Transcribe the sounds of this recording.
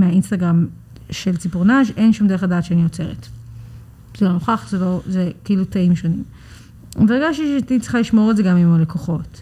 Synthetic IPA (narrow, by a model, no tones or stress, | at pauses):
meainstaɡʁam | ʃelt͡sipuʁnaʃenʃumdeadaːtʃeanijot͡se̞ʁḛt | z̥eloloχaχzelozekeilutaimʃo̞nim | veɡaʃtiʃetit͡si̥χaliʃmo̞ʁetzeɡamimolekʰoχo̞t